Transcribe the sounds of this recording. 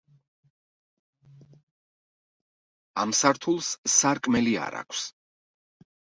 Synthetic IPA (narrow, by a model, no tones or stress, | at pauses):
amsaɾt̪ʰulˠssaɾkʼmɛlia̰ɾa̰kʷʰs